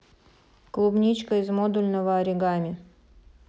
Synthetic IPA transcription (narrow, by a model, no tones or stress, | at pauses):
klˠubnʲit͡ɕkəɪzmod̪ulʲnəvəɐɾʲɪɡamʲɪ